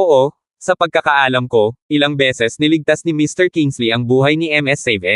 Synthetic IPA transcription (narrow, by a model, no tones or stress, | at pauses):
ʔoʔo | sɐpɐɡ̚kɐkɐʔaːlɐmko̞ʔɪlɐŋbɛːsɛsnɪlɪɡ̚t̪asnɪmist̪ɛɹkiŋsliʔɐŋbuːɦɐjniʔɛmʔɛsɛvɛ